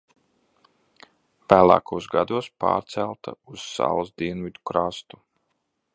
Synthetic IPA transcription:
væːlˠa̰ːkuɔsɡad̪uɔspa̰ːɾt̪sælˠt̪a̰uz̥sa̰lˠsd̪iɛnvʲid̪ukɾaːst̪u

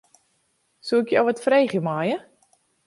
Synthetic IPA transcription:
suɪkjowʋɔtfrejχjəmajə

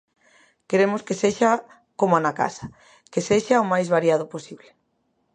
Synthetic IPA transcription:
keɾemʊskeseʃa | komanaka̰sḁ | keseʃaomajzβaɾjaðʊposiβle

